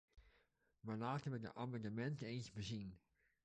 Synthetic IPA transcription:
malaːtɛʋɪk̚də̰ʔamadəmɛntəensbəzin

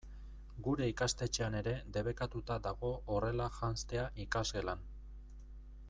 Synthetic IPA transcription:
ɡuɾe̞ikast̪e̞t͡ʃe̞ane̞ɾe̞d̪e̞β̞e̞kat̪ut̪ad̪aɣo̞ʔore̞laʝanst̪e̞aʔikazɣe̞lan

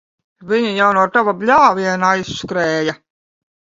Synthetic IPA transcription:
viɲijawnuɔt̪avablʲaːvʲiɛnajsːkɾɛːja

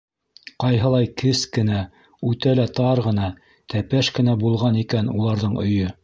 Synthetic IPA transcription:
qɑjɦɤ̆lˠɑjkɘskɘ̆næ | ʉt̪ælæt̪ɑɾʁɤ̆nɑ | t̪æpæʃkɘ̆næbulˠʁɑnikænṵlˠɑɾðɤɴɵ̰̆jɵ

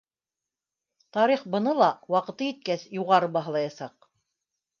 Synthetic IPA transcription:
t̪ɑɾiχbɤ̆nɤlˠɑwɑqɤ̆t̪ɤjit̪̚kæsjuʁɑɾɤbɑɦɤlˠɑjɑsɑq̚

